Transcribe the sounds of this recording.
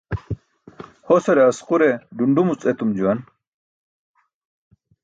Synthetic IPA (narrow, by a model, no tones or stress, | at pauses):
hosɐɾeɐsquɾeɖuɳɖumut͡sʼet̪umd͡ʑuwɐn